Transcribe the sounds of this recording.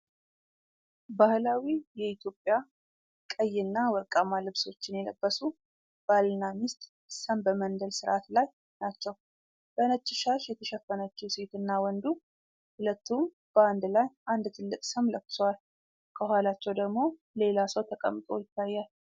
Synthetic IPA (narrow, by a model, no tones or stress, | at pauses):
bahlawijɛit̪ʰjo̞pʼja | kʼəjːɪnːawɔkʼamalɨβso̞t͡ʃːɪnjɛlə̰bːəsu | b̥alnamɪst̪ʼ | səmbəmənd̪əlsɨɾʔat̪laj | nat͡ʃːɛw | b̥ənət͡ʃʼːɪʃaʃjɛt̪ʰəʃɛfːənət͡ʃːuse̞t̪ɨnːawɔnd̪u | hʊlət̪ːum | b̥əand̪lajʔand̪t̪ʰɨlːɨkʼsəmləkːɨ̥swal | kʰəɦʷalat͡ʃːɛwd̪əɡmo̞ | le̞lasəwt̪ʰəkʼə̰mːt̪ʼo̞̰jɪt̪ːajːal